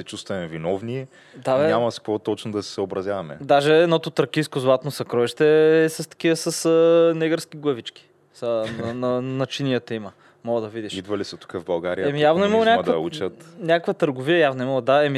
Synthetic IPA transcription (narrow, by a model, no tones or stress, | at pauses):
sɛt͡ʃust̪vɐmɛvinɔvniɛ | d̪aɛɲamɐskvot̪ɔt͡ʃnod̪ɐsɛ̥səobɾɐzjavɐmɛ̰d̪aʒɛɛd̪nɔt̪ot̪ɾɐkiskozlˠat̪nosɐkɾɔiʃt̪ɛːsəst̪ɐ̥k̟iəsəsənɛɡəɾsk̟iɡlˠɐvit͡ʃki̥ | sənɐnɐnɐt͡ʃinijət̪ɐimə | mɔɡəd̪ɐvid̪iʃid̪vɐlisɐt̪u̥kəvbɐlˠɡaɾijəɛmijjavnoimɐlˠonʲakkd̪ɐut͡ʃət̪nʲakəkvɐt̪əɾɡoviɐjavnoimɐlˠod̪aɛmi